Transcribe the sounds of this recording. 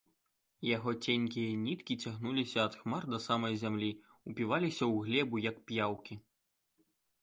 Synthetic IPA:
jaɣɔt͡sʲenʲkʲijɐnʲit̪kʲit͡sʲaɣnulʲisʲɐːt̪xmard̪ɐsamɐjzʲamlʲi | upʲivalʲisʲɐwɣlʲɛbujɐkpʲjawkʲi

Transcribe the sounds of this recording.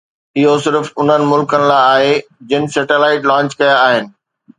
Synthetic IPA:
ɪɦosɪɾfʊn̤ənɪ̆mʊlkənɪ̆laaːɦed͡ʑɪnɪ̆sɛːʈelaːɪʈlãːɲt͡ɕkɐjaːɦɪnɪ̆

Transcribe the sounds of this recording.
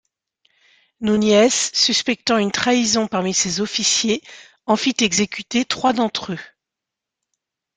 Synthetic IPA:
nunjɛsːyspɛk̚t̪ɑ̃ynt̪χaizɔ̃paʁmisezɔfisje | ɑ̃fit̪ɛɡzekʲyt̪et̪χwad̪ɑ̃t̪χø

